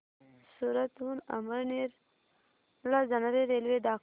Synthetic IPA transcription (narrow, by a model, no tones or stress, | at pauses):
suɾat̪huna̰məɾniɾ | lazanaɾeɾelwed̪aː